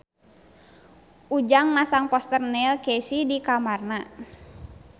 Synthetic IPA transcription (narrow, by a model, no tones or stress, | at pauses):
ʔud͡ʒaŋmasaŋpɔst̪ərnɛlkɛsidikamarna